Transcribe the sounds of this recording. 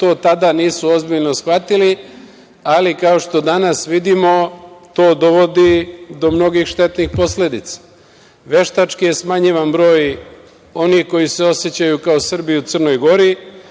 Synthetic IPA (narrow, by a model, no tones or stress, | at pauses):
t̪o̞ːt̪ad̪aniːsuo̞zbiʎno̞sxʋat̪ili | alikao̞ʃt̪o̞d̪anasʋid̪imo̞t̪o̞ːd̪o̞ʋo̞d̪id̪o̞mno̞ɡixʃt̪e̞t̪nixpo̞sle̞d̪it̪sḁ | ʋe̞ʃt̪at͡ʃkije̞smaɲiʋanbɾo̞ːj | o̞nixko̞jise̞o̞sjet͡ɕajukaosr̩biut̪sərno̞jɡo̞ɾi